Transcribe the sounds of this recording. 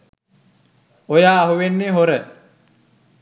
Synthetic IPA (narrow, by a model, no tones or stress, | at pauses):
ojaːɦuʋenːeɦoɾə